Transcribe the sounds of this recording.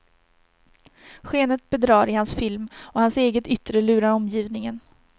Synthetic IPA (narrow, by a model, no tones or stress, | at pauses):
ɧeːnət̪̚bɛd̪ɾɑːɾɪhansfɪlmɔhanseːɡət̪ʏt̪ɾəlʉ̟ːɾaɾɔmjiːvnɪŋən